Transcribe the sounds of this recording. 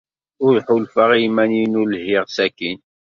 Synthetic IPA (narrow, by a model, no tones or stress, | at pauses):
ʊɾħʊlfəʁimæninʊlɦɪʁsækin